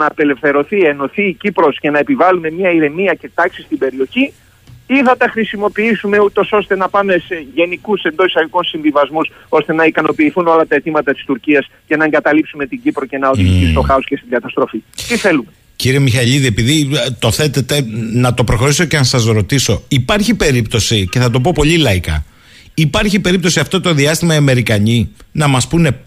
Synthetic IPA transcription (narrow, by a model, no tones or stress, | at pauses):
nɐːpe̞le̞fθe̞ɾo̞θie̞no̞θiːcipɾo̞sce̞nɐe̞pivɐlume̞mɲɐiɾe̞niɐce̞t̪ɐksi̥st̪ibe̞ɾio̞çi | iθɐt̪ɐxɾisimo̞piisume̞ut̪o̞so̞st̪e̞nɐpɐme̞se̞ʝe̞nikuse̞nd̪o̞isɐɣikonsiɱvivɐzmus | o̞st̪e̞nɐikɐno̞piːθuno̞lɐt̪ɐe̞t̪imɐt̪ɐt̪i̥st̪uɾciɐscɐnɐeŋɡɐt̪ɐlipsume̞t̪iɲɟipɾo̞ce̞nɐo̞ðiʝit̪ist̪o̞xɐosce̞st̪iŋɡɐt̪ɐst̪ɾo̞fit̪iθe̞lume | ciɾiemixɐʎiðie̞piðit̪o̞θe̞t̪et̪e̞nɐt̪o̞pɾo̞xo̞ɾiso̞cenɐsɐzɾo̞t̪iso̞ipɐɾçipe̞ɾipt̪o̞sice̞θɐt̪̬o̞p̬o̞po̞ʎilɐikɐ̰ | ipɐɾçipe̞ɾip̚t̪o̞siɐft̪o̞t̪o̞ðiɐst̪imɐiɐme̞ɾikɐɲinɐmɐspune̞